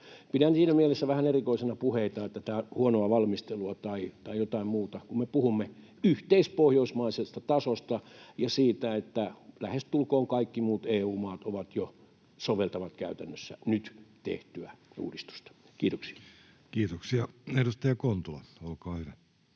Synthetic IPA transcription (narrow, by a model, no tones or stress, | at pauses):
pidænsiːnæmielesːæʋæhænerikoisenɑpuheit̪ɑet̪ːæt̪æhuonoɑʋɑlmist̪eluɑt̪ɑit̪ɑijot̪ɑimmuːt̪ɑkummepuhumːe | yht̪eispohjoismɑisest̪ɑt̪ɑsost̪ɑjɑsiːt̪æet̪ːælæhest̪ulkoːŋkɑikːimuːt̪eːuːmɑːt̪oʋɑt̪jo | soʋelt̪ɑʋɑt̪kæ̰yt̪ænːøsːæ̰nyt̪t̪ḛht̪yæṵːdist̪u̥st̪ɑ̥ | kiːt̪oksi̥ɑ̥ | kiːt̪oksiɑehdust̪ɑjɑkont̪olɑ̰olkɑːhyʋæ